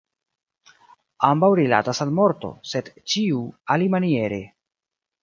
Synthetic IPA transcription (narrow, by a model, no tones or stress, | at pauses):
ambawɾila̰tasalmo̞ɾto̞̰se̞dt͡ʃiualimanie̞ɾe̞